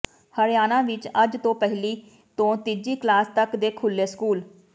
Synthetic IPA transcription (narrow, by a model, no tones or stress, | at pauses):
həɾjaːnãːʋɪt͡ʃəd͡ʒt̪õːpɛɦɪliː | t̪õːt̪ɪd͡ʒiːklaːst̪əkd̪eːkʰʊlːeːskuːl